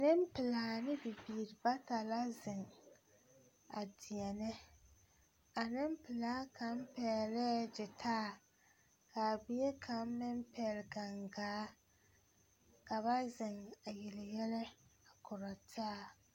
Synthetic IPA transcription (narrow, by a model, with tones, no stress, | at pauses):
nɪ˦m˦pɪ˨laː˨˦nɪ˦bɪ˨biː˨ɾɪ˨ba˦ta˨la˦zɪ˨ŋ | a˨dɪ˨ɛ˨nɪ˦ | a˨nɪ˦mpɪ˨laː˦ka˨m˦pɛ˨lɛ˦d͡ʒɪ˨tʰaː˦˨ | ka˨bi˦je˦kʰa˨˦m˦mɪ˦mpɛ˨˦˨lɡa˨ŋɡaː˨˦ | ka˨βa˦zɪ˨ŋa˨jɪ˨lɪ˨jɛ˦lɛ˦a˨kʊ˨ɾa˨tʰaː˦˨